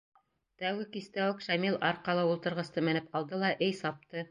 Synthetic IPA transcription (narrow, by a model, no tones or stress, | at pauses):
t̪æwɡɘkist̪æwɘkʃæmilˠɑɾqɑlˠɤulˠt̪ɤ̆ɾʁɤ̆st̪ɤmɘ̆nɘpɑlˠd̪ɤlˠɑʔɘjsɑp̚t̪ɤ